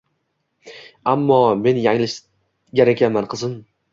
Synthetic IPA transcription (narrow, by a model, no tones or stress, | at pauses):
amːɒme̞njaŋlɪʃ | ɡʲaɾakʲanmanqʰɨzɪn